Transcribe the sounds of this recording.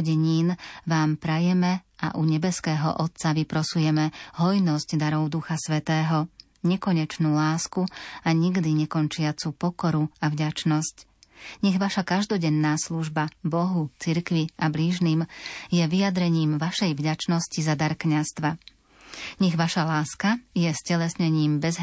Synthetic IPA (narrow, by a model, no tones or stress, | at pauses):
ɟɛɲiːnʋaːmpɾajɛmɛ | a̰ʔuɲɛbɛskɛːɦɔ̰ʔɔt̪̚t͡saʋipɾɔsujɛmɛɦɔjnɔzɟd̪aɾɔʊd̪uxasʋɛt̪ɛːɦɔ | ɲɛkɔɲɛt͡ʃnuːlaːskuaɲiɡd̪iɲɛkɔnt͡ʃɪat͡supɔkɔɾuavɟat͡ʃnɔsc | ɲɛɣʋaʃakaʒd̪ɔɟɛnːaːsluʒbabɔɦut͡siɾkʋiabliːʒniːmjɛʋijad̪ɾɛɲiːmʋaʃɛjvɟat͡ʃnɔscizad̪aɾkɲast̪ʋa | ɲɛɣʋaʃalaːskajɛscɛlɛsɲɛɲiːmbɛzɦ